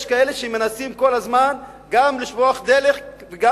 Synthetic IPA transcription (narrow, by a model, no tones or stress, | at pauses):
ʃkae̞le̞ʃemenasimko̞lazman | ɡamliʃvoaχd̪ele̞χveɡa